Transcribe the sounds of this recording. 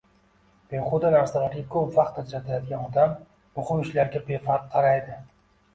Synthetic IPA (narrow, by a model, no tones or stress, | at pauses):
b̥eχod̪anaɾsalaɾɡʲakʰɵbvɑqt̪ːad͡ʒɾat̪ʰajɒt̪̚ɡʲanɒd̪amː | ʊχʊmɪʃlaɾɡʲabe̞faɾt̪̚qʰɑɾajd̪ɪ